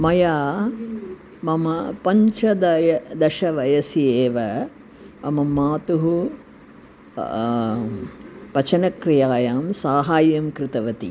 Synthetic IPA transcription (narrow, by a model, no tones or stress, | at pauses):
mɐjaː | mɐmɐpɐɲt͡ʃɐd̪ɐjɐd̪ɐʃɐʋɐjɐsijeːʋɐ | ɐ̰mɐmaːt̪uɦu | pɐt͡ʃɐnɐkɾijaːjaːmsaːɦaːjɐmkɾɨt̪ɐʋɐt̪ḭ